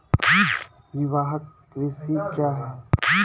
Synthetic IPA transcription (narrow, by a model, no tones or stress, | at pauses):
ʋɪʋaːɦəkːɾɪsikjaːɦɛː